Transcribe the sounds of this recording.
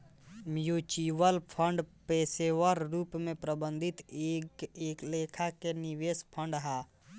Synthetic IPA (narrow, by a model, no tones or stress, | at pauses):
mjut͡ʃiːwəlpʰə̃ɳɖpeːsewəɾɾuːpmẽpɾəbə̃nd̪ʱɪt̪eeːkleːkʰakeniweːspʰə̃ɳɖɦaː